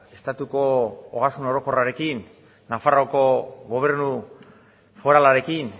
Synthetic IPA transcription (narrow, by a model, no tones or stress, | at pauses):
e̞st̪at̪uko̞oɣasuno̞ɾo̞ko̞raɾe̞kinː | afarawko̞ɣo̞β̞e̞ɾnu | fo̞ɾalaɾe̞kin